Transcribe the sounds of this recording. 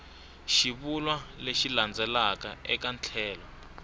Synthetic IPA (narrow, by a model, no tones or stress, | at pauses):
ʃiβulwaleʃiland͡zɛlakaɛkant͡ɬʰɛːlɔ